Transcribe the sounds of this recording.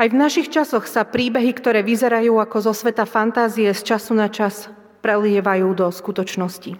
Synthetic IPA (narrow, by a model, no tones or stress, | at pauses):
ajʋnaʃixt͡ʃasɔxsapɾiːbɛɦikt̪ɔɾɛːʋizɛɾajuːakɔzɔsʋɛt̪afant̪aːziɛst͡ʃasunat͡ʃas | pɾɛlɪɛʋajuːd̪ɔskut̪ɔt͡ʃnɔsci